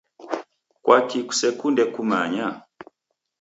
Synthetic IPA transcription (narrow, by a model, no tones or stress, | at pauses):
kwʔakiku̥sɛkundɛkumaɲa